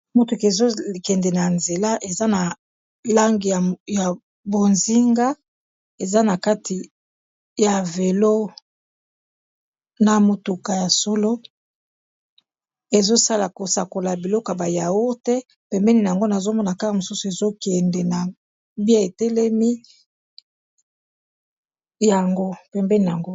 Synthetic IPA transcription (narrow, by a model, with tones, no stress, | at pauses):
mo˦tu˨ke˨zo˦˨kɛ˨ndɛ˨na˨nze˨la˦ʔe˨za˦na˨ | la˦ŋɡi˨ja˨ | bo˨nzi˦ŋɡa˦ | e˨za˦na˨ka˦tʰi˨ | ja˨ve˨lo˦ | na˨mo˨tu˨ka˨ja˨so˦lo˦ | e˨zo˦sa˦la˨ko˨sa˨ko˨la˨bi˨lɔ˦ko˨a˨ba˨ja˨wo˦tɛ˦ | pɛ˨mbɛ˦ni˨n˨a˨ŋɡo˦na˨zo˦mɔ˦na˨ka˦ka˨mo˨su˦su˨e˨zo˦kɛ˨ndɛ˨na˨ | bi˦a˦e˨tɛ˦lɛ˦mi˦ | ja˨ŋɡo˦pɛ˨mbɛ˦ni˨n˨a˨ŋɡo˦